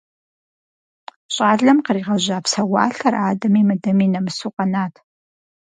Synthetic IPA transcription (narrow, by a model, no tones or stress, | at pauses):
ɕʼaːɮɐmqəriːʁɐʒʷaːpʰsɐwa̰ːɬɐraːdɐmimɨdɐmiːnɐmɨsuqʼɐnaːtʰ